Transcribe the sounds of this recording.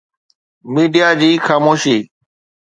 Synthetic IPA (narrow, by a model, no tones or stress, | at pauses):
miːɖijad͡ʑiːxaːmoːʃiː